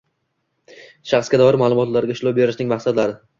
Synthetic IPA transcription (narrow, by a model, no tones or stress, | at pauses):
ʃaχsɡʲad̪ɒɪɾmalˠʊmɒt̪laɾɡʲaʊʃlˠɒbeɾɪʃnɪŋmaχsat̪laɾɪ